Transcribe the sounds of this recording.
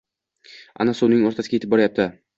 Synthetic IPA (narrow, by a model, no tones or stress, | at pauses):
a̰nasʊnɪŋoɾt̪ʰasɪɡʲeɪp̚bːɒɾajap̚t̪ʰɪ